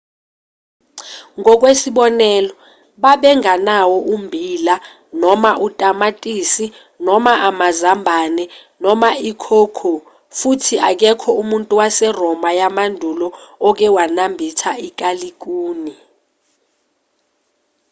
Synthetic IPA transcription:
ŋɔk̬wesiɓɔnɛlɔ | ɓaɓɛŋanawɔʔumbʱila | nɔmaʔutʼamatʼiːsi | nɔmaʔamazambʱanɛnɔmaikʰokʰo | futʰiʔak̬ɛkʰɔumuntʼuwasɛrɔmajamandʱulɔɔk̬ɛwanambʱitʰaik̬ʼalik̬ʼuːni

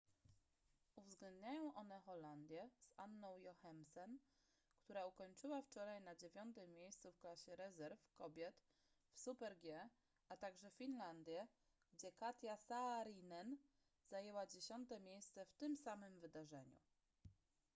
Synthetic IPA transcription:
uvzɡlɛnd̪ɲajɔ̃w̃ʔɔn̪ɛxɔland̪ʲjɛz̥anːɔ̃w̃jɔxɛmsɛn | kt̪uɾaukɔɲt͡ʂɘwaft͡ʂɔɾajnad͡ʑevʲjɔnt̪ɘmːʲjejst̪sufklaɕɛɾɛzɛɾfkɔbʲjɛt̪ | fsupɛɾɡʲjɛ | at̪aɡʐɛfʲinland̪ʲjɛ | ɡd͡ʑɛkat̪ʲjasaːɾinɛn | z̥ajɛwad͡ʑeɕɔnt̪ɛmʲjejst̪sɛft̪ɘmsamɘmvɘd̪aʐɛɲṵ

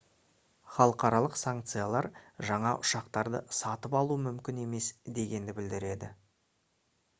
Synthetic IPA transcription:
χɑlˠəqɑɾɑlˠəqsaŋk̚t̪sɨjalˠɑɾʒɑɴɑʔʊʃɑqt̪ɑɾd̪ə̰sɑt̪əpɑlˠuəmʏmkʲɪne̞me̞sd̪e̞ɡʲe̞nd̪ɪbɪld̪ɪɾe̞d̪ɪ

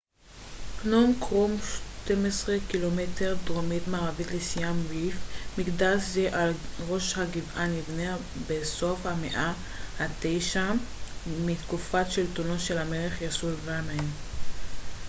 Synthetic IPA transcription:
knomkʁumʃt̪emesʁekilometeʁdʁomitmaːʁavitlesijamvifmikdaʃzeʔalʁo̞ʃhaɡivʔanivnea | beso̞fhameʔa | hate̞jʃa | mit̪kufatʃeltunoʃelameleχjasulvanaem

